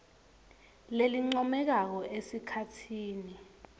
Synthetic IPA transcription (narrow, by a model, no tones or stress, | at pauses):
leliŋ͡ǀɔmɛk̬ak̬ɔʔesikʰatʰiːni